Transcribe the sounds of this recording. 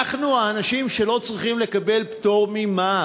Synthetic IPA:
aχnuaːnaʃimʃe̞lo̞t͡sʁiχimle̞kabe̞lpto̞ʁmima

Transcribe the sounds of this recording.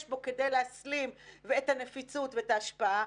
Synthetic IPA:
ʃbo̞ke̞dejleaslimveetanefit͡sutveetaːʃpaa

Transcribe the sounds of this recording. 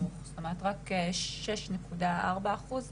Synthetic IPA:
uχsomat̪ʁakeʃeʃnekudaaʁbaːχuz

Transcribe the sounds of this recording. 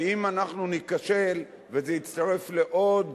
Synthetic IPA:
imanaχnunikaʃe̞l | vezeit͡st̪aʁe̞fle̞ʔo̞d̪

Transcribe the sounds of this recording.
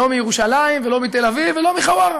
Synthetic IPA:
o̞mijeʁuʃalaimvelo̞mit̪elavivelo̞miχawaʁ

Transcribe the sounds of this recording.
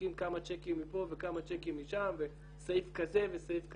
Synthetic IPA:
imkamat͡ʃekimːipo̞vekamat͡ʃekimːiʃamve | sajifkaze̞vesajifk

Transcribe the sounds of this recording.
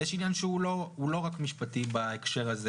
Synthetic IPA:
jɛʃinjanʃeulohulo̞ʁakmiʃpatibaekʃe̞ʁaze

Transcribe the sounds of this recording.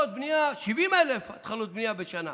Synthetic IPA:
ɔt̪̚bniaʃivimaɛlɛfat̪χalɔt̪̚bniabɛt͡ʃana̰

